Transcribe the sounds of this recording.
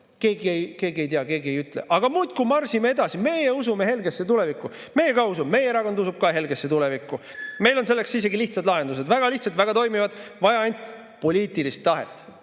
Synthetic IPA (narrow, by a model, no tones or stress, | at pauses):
ke̞ːɡiejke̞ːɡie̞jt̪iɑke̞ːɡie̞jyt̪ˑle̞̰ʔɑɡ̥ɑmuːd̪̥kumɑrsimee̞d̪ɑsime̞jeusume̞he̞lɡe̞sːet̪ulevikːu | me̞jekɑusubme̞jeɾɑko̞nd̪usub̥̚kɑɦe̞lɡesːet̪ulevikːˑu | me̞jlo̞nse̞lːe̞ksis̬eɡiliht̪sɑd̪lɑɦe̞nd̪us̬ed̪væɡ̥ɑliht̪sɑt̪væɡ̥ɑt̪o̞jmivɑd̪̥vɑjɑɑnʲt̪ʲˑ | po̞lʲiːt̪ilist̪ːɑɦe̞t̪ːˑ